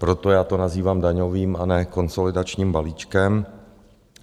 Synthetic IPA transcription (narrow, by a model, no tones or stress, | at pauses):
pɾot̪ojaːt̪onaziːvaːmdaɲoviːmanɛko̞nsolɪdat͡ʃɲiːmbaliːt͡ʃkɛm